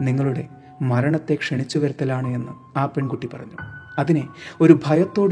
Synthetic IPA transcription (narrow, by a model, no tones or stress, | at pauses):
niŋːɐɭuɽe̞ | mɐɾɐɳɐt̪ːe̞kʂeɳit͡ɕːuʋɐɾɐt̪ːɐlaːɳɨe̞nːumaːpeɳkuʈːipɐrɐɲːuɐðineo̞ɾubʱɐjɐt̪ːo̞ːɽ